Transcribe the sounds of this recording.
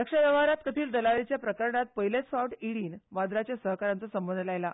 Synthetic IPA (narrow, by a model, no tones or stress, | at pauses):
əkʂaʋjəʋaɾat̪kət̪ʰiːld̪əlaɾet͡ɕjapɾəkəɾɳat̪̚pəɦilet͡sfaʋʈiɽiːnʋad̪ɾat͡ɕjasəɦkaɾant͡səsəmbənd̪ʱlajla